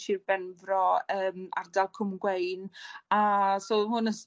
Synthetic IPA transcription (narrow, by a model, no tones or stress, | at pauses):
ʃɪrbɛnvrɔəːma̰rdalˠkʰʊmɡwejnasohʊnəs